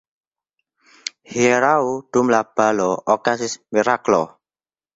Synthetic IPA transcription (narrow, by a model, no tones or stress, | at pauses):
hiɾauɖ̪̥umlab̥a̤lɔʔɔkasɪsmiɾaklɔ